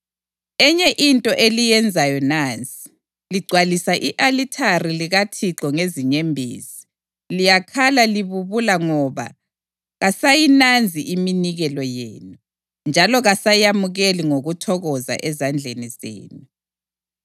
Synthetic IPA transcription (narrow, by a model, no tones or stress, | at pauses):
ɛɲɛʔintʼɔʔelijɛnd͡zʱajɔnaːnt͡sʼi̥ | liɡ͡ǀʱwalisaʔiʔalitʰariliɣatʰiǃɔŋeziɲembʱḭːzi̥ | lijakʰalaliβuβulaŋɔβa̰ | ɣasajinand͡zʱiʔiminiɣɛlɔjḛːnu | nd͡ʒʱalɔɣasajamuɣeliŋoɣutʰɔɣɔza̰ʔɛzand͡ɮʱenizḛːnu